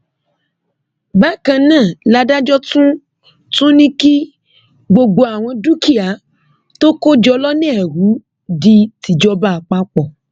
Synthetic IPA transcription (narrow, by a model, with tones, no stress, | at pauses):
ba˦kã˧nãː˦˨la˧da˦d͡ʒɔ˦tũ˦ | tũ˦nĩ˦ki˦ | ɡ͡bo˧ɡ͡bo˧a˨w̃ɔ̃˧du˦ki˦˨a˨˦ | to˦ko˦d͡ʒɔ˧lɔ˦nɛ̃˦ɛ˨ɾu˨˦ | di˧ti˨d͡ʒɔ˧ba˦˨k͡pa˦k͡pɔ˨